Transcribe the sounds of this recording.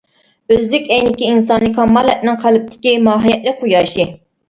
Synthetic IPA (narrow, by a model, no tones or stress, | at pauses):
øzlykʲɛjnɪkʲiinsɑnːɨkʲʰɑmːɑlˠɛt̪̚nɪŋqʰælɪp̚t̪ʰɪ̥kʲimɑːɦijɛt̪̚lɪk̚qʰujɑːʃi